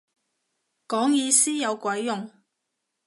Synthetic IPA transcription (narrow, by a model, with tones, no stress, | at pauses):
kɔː˨˥ŋjiː˧siː˥jɐ˨˧wkwɐ˨˥jːʊ˨ŋ